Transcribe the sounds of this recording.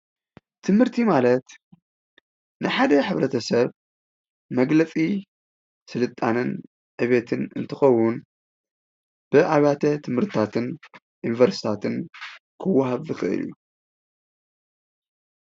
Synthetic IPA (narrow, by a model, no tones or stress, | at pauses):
t̪ʰɨmhɨɾt̪ʰimalɐt̪ | nɨħad̪ɐħɨβɾɐt̪ʰɐsɐβ | mɐɡlɐt͡sʼi | sɨlɨt̪ʼːanɨn | ʕɨβet̪ʰɨnɨ̰nt̪ʰɨxɐwːʊn | b̥ɨʔaβat̪ʰɐt̪ʰɨmhɨɾt̪ʰɨt̪ʰat̪ʰɨn | ʔunvɐɾsi̥t̪ʰat̪ʰɨnkʰɨwːɐɦaβzɨxɨʔɨ̰lju